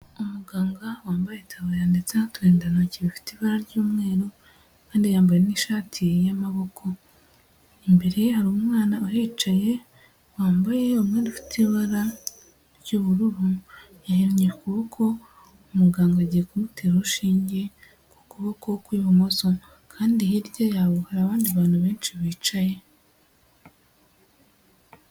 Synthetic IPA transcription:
umuɡaːŋɡawaːmbajetʰaβajaːndet͡satweːndanaciβifi̥tiβaɾaɾɟuːmŋe̞ːɾo | kaːndijaːmbajeniʃaːtʰijamaβo̞kʰo̞ | imbe̞ɾe̞haɾuːmŋwaːnaohet͡ʃaje̞ | waːmbajeomŋeːdifi̥tʰiβaɾa | ɾjuːβuɾuɾu | jaheɾɲekuβokʰo̞ | umuɡaːŋɡaɟiɾekumutʰeːɾuʃiːɲɟe̞ | kukuβokowkwiːβumo̞so̞ | kʰaːndihiɾɟo̞jaβuhaɾaːβaːndiβaːn̥huβe̞ːnt͡ʃiβiːt͡ʃaje̞

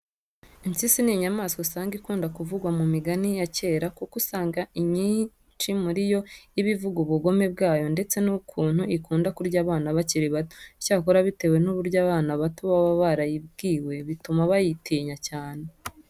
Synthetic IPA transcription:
insisiniiɲamaːskosaːŋɡikuːndakuvuɡwamumiɡanijace̞ːɾakukusaːŋɡaiɲi | t͡ʃimuɾijo̞iβivuɡuβuɡo̞me̞bɡaːjo̞nde̞t͡se̞nukʰuːn̥huʔikuːndakuɾɟaːβaːnaβaciɾiβato̥i̥caːkoɾaβite̞we̞nuβuɾɟaːβaːnaβatoβaβaβaɾajib̚ɡiːwe̞βitumaβajitʰiːɲacaːne̞

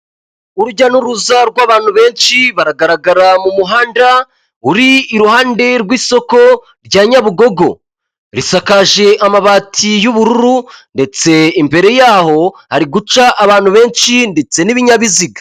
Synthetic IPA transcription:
uɾuɟanuɾuzaɾɡwaːβaːn̥huβe̞ːnʃiβaɾaɡaɾaɡaɾamumuɦaːnda | uɾiːɾuhaːnde̞ɾwiːso̞ko̞ | ɾɟaːɲaβuɡo̞ɡo̞ | ɾisakaʒe̞ʔamaβaːtʰijuβuɾuɾunde̞t͡se̞imbe̞ɾe̞jaːho̞haɾiɡut͡ʃaʔːβaːn̥huβe̞ːnʃinde̞t͡se̞niβiɲaβiziɡḁ

